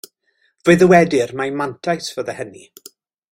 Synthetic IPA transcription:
v̥əɨðəwɛdɪrmajmantʰajsv̥əðəhəni

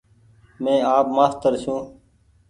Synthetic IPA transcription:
mẽːaːpmaːst̪əɾʃũː

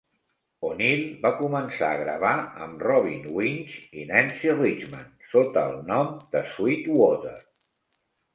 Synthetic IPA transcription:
onilˠbakumənsa̰əɣɾəβaə̰mrɔβ̞ḭnwinʲt͡ʃḭnɛnsirit͡ʃmansot̪əːlˠnɔmd̪əswit̪wɔt̪ə̰r

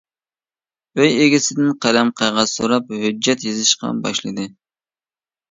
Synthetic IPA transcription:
øjeɡʲɪsɪd̪ɪnqʰælɛmqʰɑjʁɑsoɾɑp̚hød͡ʒːɛt̪jezɪʃqɑ̰bɑ̰ʃlˠɨd̪ɨ

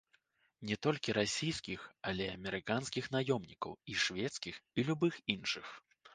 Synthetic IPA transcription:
nʲɛt̪ɔlʲkʲiɾasʲijskʲixalʲɛɐmʲɛɾɨkanskʲixnajɔmnʲikɐ̰wiʂvʲɛt̪skʲixilʲubɨxinʂɨx

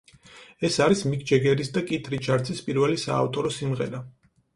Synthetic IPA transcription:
ɛsaɾismikʰʼd͡ʒɛɡɛɾisd̪akʼit̪ʰɾit͡ʃʰaɾt̪sʰʼispʼiɾvɛlisa̰ːft̪ʼɔɾɔsimʁɛ̰ɾa

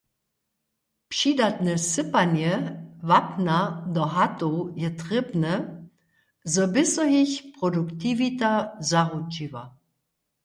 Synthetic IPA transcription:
pʂidat̪nɛsɪpanjɛvapnad̪ɔɦat̪ojɛt̪ʁɪbnɛ | zɔbɪsɔɦiçpʁɔdukt̪ivit̪azaʁut͡ʃiva̰

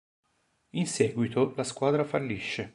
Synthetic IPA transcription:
insɛːɡwit̪ʰolaskwaːd̪ɾafalːiʃːe

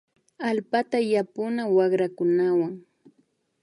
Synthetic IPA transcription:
alpat̪ajapʊnawɑɢɾakʊnawaŋ

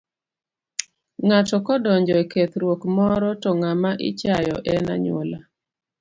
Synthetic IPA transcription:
ŋatɔkɔdɔɲd͡ʒɔɛket̪ɾwokmɔɾɔtɔŋamaʔɪ̰t͡ʃajɔ̰ʔɛna̰ɲwo̰la

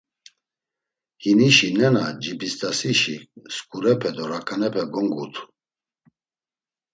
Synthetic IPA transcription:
hiniʃinɛnad͡ʒibist̪ʼasiʃiskʼuɾɛpʰɛd̪ɔɾakʰʼanɛpʰɛɡɔŋɡut̪ʰu̥

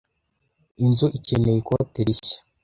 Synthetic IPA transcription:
inzuʔicenejikoteɾisḁ

